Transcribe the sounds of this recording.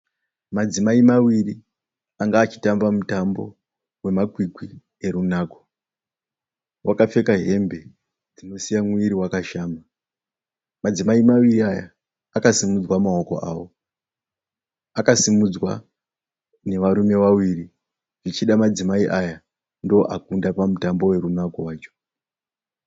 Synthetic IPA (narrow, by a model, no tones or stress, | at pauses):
mad͡zimaimawiri | aŋɡaːt͡ʃi̥tambamutambo̞̰ | we̞makwikwi | e̞ɾunaːko | wʔakap͡fe̞kaɦe̞mbe̞ | d͡zino̞sijamwiɾiwakaʃaːma | mad͡zimaimawiriaja̰ː | kasimud͡zwamaoko̞̰ʔa̰ːwo | akasimud͡zwa̰ | ne̞ʋaɾume̞ʋawiri | ʐit͡ʃiɗamad͡zimaiʔaja | ndo̞ʔakundapamutambo̞we̞ɾunakowaːt͡ʃo̥